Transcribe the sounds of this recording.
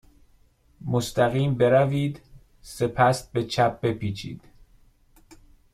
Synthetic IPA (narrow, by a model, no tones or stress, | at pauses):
most̪æɣiːmbe̞ɾæviːd̪ | se̞pʰæst̪̚be̞t͡ʃʰæp̚be̞piːt͡ʃʰḭːd̪̥